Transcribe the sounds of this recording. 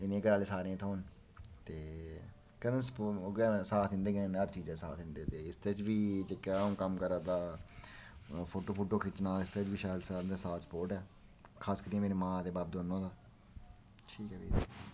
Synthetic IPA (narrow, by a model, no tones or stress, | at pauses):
ɪnẽːkəɾaːleːsaːɾẽːt̪ʰoːn | t̪eː | kəd̪ənspːɡɛsaːt̪ʰɪ̃nd̪eːkːnəɾt͡ʃiːd͡ʒãːsa̰ːt̪ɪ̃nd̪ẽːt̪eːɪst̪eːt͡ʃʋiːt͡ʃəkːjaːõːkəmkəɾaːd̪aː | pʰoːʈoːpʰoːʈoːkʰɪt͡ʃnaːlɪst̪eːt͡ʃbiːʃaːd̪saːnd̪ẽsaːspoːɾʈɛː | kʰaːskəɾĩːmeːɾeːmãːd̪eːbaːb̚d̪oːnːõːd̪aː | ʈʰiːkɛːʋiː